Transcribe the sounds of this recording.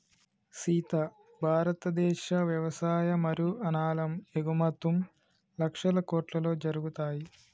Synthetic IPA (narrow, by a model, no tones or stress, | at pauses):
siːt̪ɐ | bʱaːɾɐt̪ɐd̪ɛːʃɐʋjɐʋɐsaːjɐmɐɾjuʔɐnaːlɐmeɡumɐt̪ːum | lɐkʂɐlɐkoːʈlɐlo̞ːd͡ʒɐɾuɡut̪aːji